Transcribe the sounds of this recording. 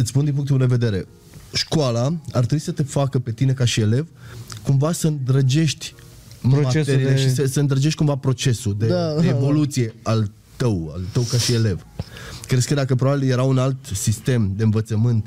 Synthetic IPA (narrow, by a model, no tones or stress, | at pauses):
ɨt̪sspund̪inmpuŋkt̪uld̪eve̞d̪e̞ɾe̞ | ʃkwalaart̪ɾebuisət̪efakəpe̞t̪ine̞kaʃiele̞vkumvasəɨnd̪ɾəd͡ʒe̞ʃt̪ʲ | maeɾieʃisəsəɨnd̪ɾəd͡ʒeʃt̪ʲkumvapɾo̞t͡ʃe̞sud̪eeːvo̞lut̪sije̞al | t̪əwa̰lt̪əwkaʃiele̞v | kɾe̞skəd̪akəp̬ɾobabilje̞ɾaunalt̪sist̪e̞md̪e̞ɨnvət̪səmɨnt̪